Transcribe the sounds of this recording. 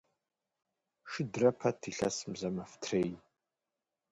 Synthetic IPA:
ʃɨdrɐpʰɐtʰiɬɐ̰smzɐmɐftʰrej

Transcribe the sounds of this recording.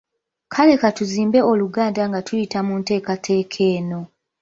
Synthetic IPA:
kʰale̞katuziːmbe̞oluɡaːndaŋɡatujitamunte̞ːkatʰe̞ːkʰe̞ːno̞

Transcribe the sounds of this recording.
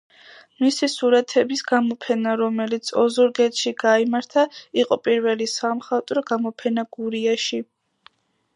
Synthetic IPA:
misisuɾat̪ʰɛbisɡamɔpʰɛnaɾɔmɛlit̪sʰɔzuɾɡɛt̪ʃiɡaimaɾt̪ʰaiqʼɔpʼiɾvɛlisamχat̪ʼɾɔɡamɔpʰɛnaɡ̥uɾiaʃi

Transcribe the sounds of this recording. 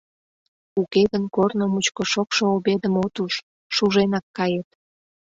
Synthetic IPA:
ukeɣənkornomut͡ɕkoʃokʃooβed̪əmot̪uʃː | uʒenɑkːɑjet̪̚

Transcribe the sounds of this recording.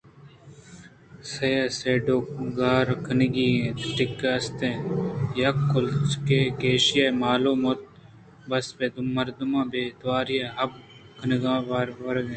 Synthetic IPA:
sɐjaseːɖoːkɡaːɾkʰənɡiːt̪ʈɪkːɐst̪ẽjɐkːʊlt͡ʃkeːkeːʃijemaːlomot̪̚ | bɐsbed̪mɐɾd̪umãːbeːt̪ʋaːɾijeɦɐb̚ | kʰɐnɡãːʋaɾʋɐɾɡẽː

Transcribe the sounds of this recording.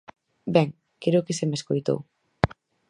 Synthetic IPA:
beŋ | keɾokisemeskoit̪ṵɣ

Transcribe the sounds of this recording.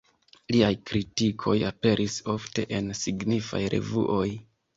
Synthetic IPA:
liajkɾitikʰo̞jape̞ɾʔiso̞fte̞ʔensiɡnifa̰jɾʔe̞̰vṵʔo̞j

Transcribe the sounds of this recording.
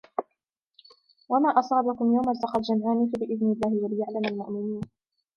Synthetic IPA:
wamaːʔɑsˤɑːbakʊmjawmasɑqɑt̪d͡ʒamʕaːniːfabɪʔɪðnɪlːaːhɪwalɪjaʕlamalmʊʔmɪniːn

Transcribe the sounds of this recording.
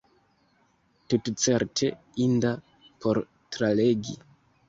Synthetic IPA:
tutt͡se̞ɾtʰe̞ | inda | pʰo̞ɾ | tɾale̞ɡi

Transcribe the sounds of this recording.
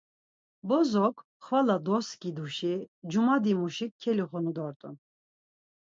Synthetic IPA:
bɔzɔkʰʼ | χvalad̪ɔskʼid̪uʃid͡ʒumad̪imuʃikʰɛliχɔnud̪ɔɾt̪ʼṵn

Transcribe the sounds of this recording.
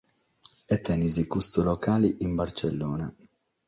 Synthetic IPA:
ɛt̪ːɛnizikust̪ulɔkaːliʔimbart͡ʃɛlːɔːna̰

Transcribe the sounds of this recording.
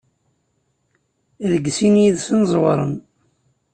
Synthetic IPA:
ɾəɡsinjiðsənzˤwɑɾˤə̰n

